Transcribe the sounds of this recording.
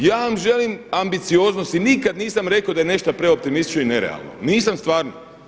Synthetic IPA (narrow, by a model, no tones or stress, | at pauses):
jaːʋamʒe̞limambit̪sioznost̪inikad̪niːsamɾe̞kod̪ajene̞ʃt̪apɾe̞o̞pt̪imist̪i̥t͡ʃnoine̞ɾḛa̰lˠno̰niːsamst̪ʋaːɾno̰